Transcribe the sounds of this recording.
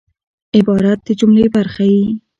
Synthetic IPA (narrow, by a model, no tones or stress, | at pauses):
ɪbɑɾat̪̚d̪əd͡ʒʊmlebaɾxawi